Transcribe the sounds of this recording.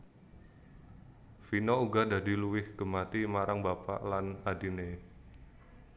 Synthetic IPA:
finouɡadadiluwɪhɡ̥əmat̪imaɾaŋbapa̰ʔlanadine

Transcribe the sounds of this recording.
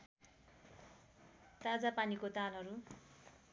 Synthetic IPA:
t̪ad͡zapanikot̪alɦʌɾu

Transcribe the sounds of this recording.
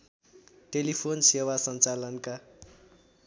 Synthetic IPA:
ʈelipʰonsewasʌnt͡salʌnka

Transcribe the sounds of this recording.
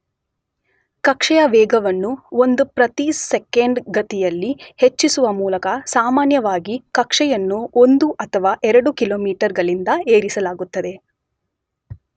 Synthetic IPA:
kɐkʂɛjɐʋɛːɡɐʋɐnːuond̪upɾɐt̪isekeɳɖɡɐt̪ijɐlːihet͡ʃːisuʋɐmuːlɐkɐsaːmaːnjɐʋaːɡikɐkʂɛjɐnːuo̞nd̪uʔɐt̪ʰɐʋaːʔɛɾɐɽukilo̞ːmiːʈɐɾɡɐɭind̪ɐeːɾisɐlaːɡut̪ːɐd̪e̞

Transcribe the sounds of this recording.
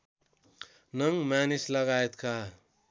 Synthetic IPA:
nʌŋɡmanislʌɡaet̪kʰa

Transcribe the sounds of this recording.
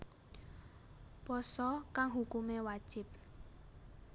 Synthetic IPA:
pɔsɔkaŋɦukumewad̥ʒ̥ɪ̤p̚

